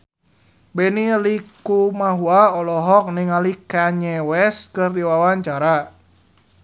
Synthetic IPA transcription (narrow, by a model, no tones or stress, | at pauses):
bɛnilikumaɦuaɔlɔɦɔk̚nɪŋalikaɲɛwɛskɨrdiwawaɲt͡ʃaɾa